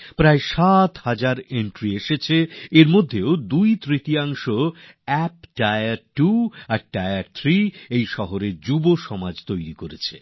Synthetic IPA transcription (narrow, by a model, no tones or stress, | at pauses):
pɾaeʃat̪had͡ʑaɾeɳʈɾieʃet͡ɕʰeeɾmod̪ʱːeod̪ujt̪ɾit̪iaŋʃo | ɛpɖaeaɾʈuaɾɖaeaɾt̪ʰɾiejʃɔɦoɾeɾd͡ʑuboʃɔmad͡ʑt̪ojɾikoɾet͡ɕʰe